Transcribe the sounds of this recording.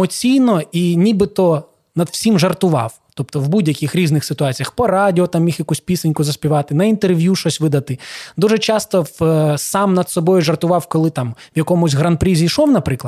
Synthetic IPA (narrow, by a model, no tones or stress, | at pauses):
ɔt͡sʲijnɔinʲibɪt̪ɔ | nɐd̪w̥sʲimʒɐrt̪ʊʋɑ̰w | t̪ɔpt̪ɔwbudʲjɐkʲixɾʲiznɪxsɪt̪ʊɑt͡sʲijɐxpɔɾɑdʲɪɔt̪ɑmjixjɐkusʲpʲisɐnʲkʊzɐsʲpʲiʋɑt̪ɪnɐint̪erʋʲjuʃɔsʲʋɪd̪ɐt̪ɪd̪uʒɛt͡ʃɑst̪ɔsɑmnɐd̪sɔbɔjʊʒɐrt̪ʊʋɑwkɔlˠɪt̪ɑmʋjɐkɔmʊsʲɣɾɐnpɾʲizʲijʃɔwnɐpɾɪklˠɐ